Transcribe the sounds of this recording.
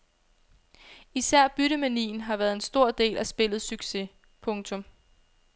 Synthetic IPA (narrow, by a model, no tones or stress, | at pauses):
isæɐ̰b̥yɾəmænḭːn̩ɦɑ̈ʋæːɐð̩ˠe̝nsd̥o̝ɐ̰d̥e̝̰ːlʔæsb̥e̝l̰ð̩ˠsyɡ̥se̝ | pʰɔ̽ŋt͡sʰɔ̽m